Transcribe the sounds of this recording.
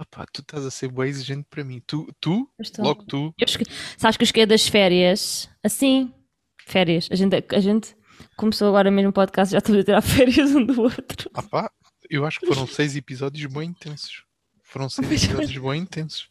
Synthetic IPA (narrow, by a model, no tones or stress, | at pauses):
apʰa̰t̪ut̪azɐseɾbɐ̃iziʒẽnt̪̚pɾɐmĩt̪ut̪uʃt̪alˠɔɣt̪uewaʃksaβʃkewʃkɐjðɐʃfɛɾjɐʃɐsĩ | fɛɾjɐʃɐʒẽnt̪ɐʒẽnt̪ | kumsoɐɣɔɾɐmeʒmupɔðkast̪ʒaʃt̪ɐmzɐt̪iɾaɾfɛɾjɐzũd̪uot̪ɾuapa | ewaʃu̥kfoɾɐ̃w̃sejzipizɔðjuʒbɐ̃j̃ĩnt̪ẽsu̥ʃ | foɾɐ̃sejzɐzzɔðjuʒbɐ̃j̃ĩnt̪ẽsu̥ʃ